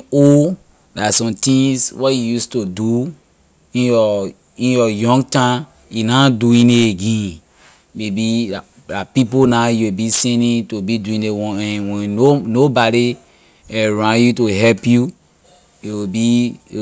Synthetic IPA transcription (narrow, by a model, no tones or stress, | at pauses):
o | dasɔ̃mt̪ĩŋswɔtjujustudu | ĩjɔ | ĩnjɔjɔ̃ŋɡtã | junaduĩneteɡɛ̃n | mebia | lapiponajuwibisɛ̃nĩtubiduĩnewɔ̃nɛ̃nwɛ̃onobaɾi | ɛɹãnjutoɦɛpju | iwibi